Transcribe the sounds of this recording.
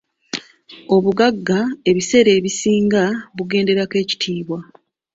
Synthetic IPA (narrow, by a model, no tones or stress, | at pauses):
o̞βuɡaɡːae̞βise̞ɾe̞ːβisiːŋɡaβuɡe̞ːnde̞ɾake̞ːci̥tʰiːβwa